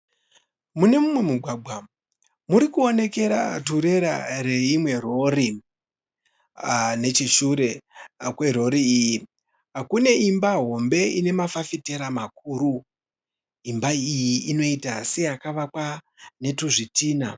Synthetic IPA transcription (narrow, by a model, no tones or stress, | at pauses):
mune̞mumwe̞muɡʱwaːɡ͡bʱwa | muɾikuone̞ke̞ɾa̰tuɾe̞ɾa̰ɾe̞imwe̞ro̞ri | ne̞t͡ʃiʃuɾe̞kwe̞ɾo̞ɾiiji | akune̞imbaɦo̞mbe̞ine̞mafafite̞ɾamak̚uːɾu | imbaijiʔino̞itase̞akaʋakwa | ne̞tuʐitiːna̰